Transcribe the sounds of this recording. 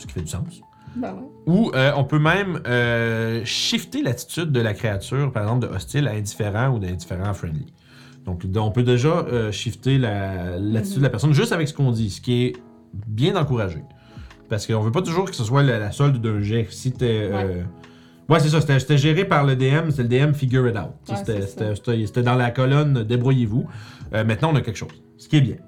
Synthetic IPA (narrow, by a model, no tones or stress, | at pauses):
sə̥kʲifɛdysɑ̃s | uøɔ̃pømɛ̃mø | ʃift̪elat̪i̥t̪yd̪̚ːəlakχeat̪yːʁpaʁɛɡzɑ̃p̚d̪əʔɔst̪ɪlaɛ̃d̪ifeʁɑ̃ud̪ɛ̃d̪ifeʁɑ̃afʁɛ̃nd̪lḭ | d̪̥ɔ̃k̪ɔ̃pød̪eʒʌøʃift̪elalat̪i̥t̪yd̪əlapɛʁsɔnʒʏst̪avɛksə̥kɔ̃d̪isə̥kʲiɛ | bjɛ̃d̪ɑ̃kuʁaʒe | paʁsə̥kəɔ̃vøpʌt̪ʊʒuːʁkə̥səswalalasɔld̪d̪œ̃ʒɛfsit̪ɛø | wɛs̬es̬ʌse̥t̪ɛse̥t̪ɛʒɛːʁepaʁləd̪eɛmset̪ɛləd̪eɛmfiɡʲyet̪a̰ʊt̪̚sese̥t̪ɛse̥t̪ɛse̥t̪ɛse̥t̪ɛd̪ɑ̃lakɔlɔnd̪ebʁujevuømɛ̃t̪nãɔ̃nakʲɛlkʃoːz̥ | sə̥kʲiɛbjɛ̃